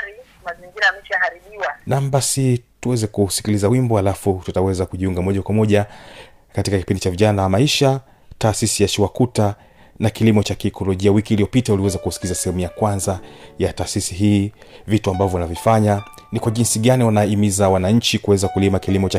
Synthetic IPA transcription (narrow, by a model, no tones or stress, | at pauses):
ɾi | maziŋɡiɾamiʃahaɾimiwanam̩basituwɛzɛkusi̥kilizawimbɔhalafututawɛzakuʄiuŋɡamɔʄakwamɔʄa | katikaki̥pindit͡ʃaviʄanawamaiʃa | taːsisijat͡ʃiwakuta | nakilimɔt͡ʃakiɛkɔlɔʄiawikiːlijɔpitauliwɛzakusi̥kilizasɛhɛmujakwanzajataːsisiɦiːvituambavɔunavifaɲa | nikwaʄinsiɠaniwanaimizawanaɲ̩t͡ʃikuwɛzakulimakilimɔt͡ʃa